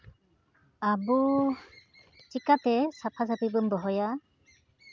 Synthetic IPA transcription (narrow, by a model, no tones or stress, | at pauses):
abu | t͡ʃikat̪esapʰas̬apibɯmbɔɦɔja